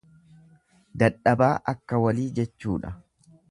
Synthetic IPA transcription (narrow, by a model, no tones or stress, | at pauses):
d̪ɐᶑɐbaːʔɐkːɐwɐliːd͡ʒɛt͡ʃːuːᶑɐ